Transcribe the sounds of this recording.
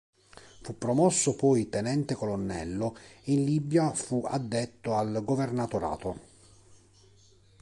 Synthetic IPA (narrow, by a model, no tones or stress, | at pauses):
fupːɾomɔsːopɔjt̪ɛnɛnt̪ekolonːɛ̰lːoeinlibjafua̰d̪ːɛt̪ːoalɡovernat̪oɾa̰ːt̪o